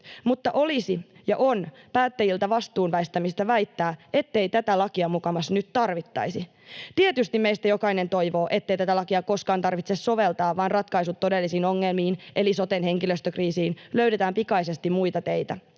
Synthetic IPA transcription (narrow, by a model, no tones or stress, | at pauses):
mut̪ːɑʔo̞lisijɑ̰ʔo̞npæːt̪ːæjilt̪æʋɑst̪uːnʋæist̪æmist̪æʋæjt̪ːæːe̞t̪ːe̞jt̪æt̪ælɑkiɑmukɑmɑsnyt̪t̪ɑrʋit̪ːɑ̰jsi | t̪ie̞t̪yst̪imejst̪æjo̞kɑine̞nt̪o̞jʋo̞ːʔe̞t̪ːe̞ijt̪æt̪ælɑkiɑko̞skɑːnt̪ɑrʋit̪sesːo̞ʋe̞lt̪ɑːʋɑːnrɑt̪kɑisut̪ːo̞de̞lːisiːno̞ŋːe̞lmiːnʔe̞liso̞t̪enhe̞ŋkiløst̪økriːsiːnløɥɾet̪æːmpikɑjse̞st̪immujt̪ɑt̪e̞jt̪æ